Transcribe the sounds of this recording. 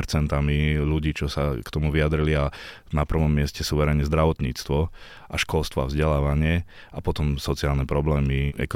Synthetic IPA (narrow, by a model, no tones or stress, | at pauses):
ɾt͡sɛnt̪amiluɟiːt͡ʃɔsakt̪ɔmuʋiad̪ɾilia | napr̩ʋɔmːɪɛscɛsuːʋɛɾɛɲɲɛzd̪ɾaʋɔt̪ɲḭːt͡st̪ʋɔ | ʔaʃkɔlst̪ʋɔa̰vzɟɛlaːʋaɲɪɛ | apɔt̪ɔmsɔt͡siaːlnɛpɾɔblɛːmiɛ̰kɔ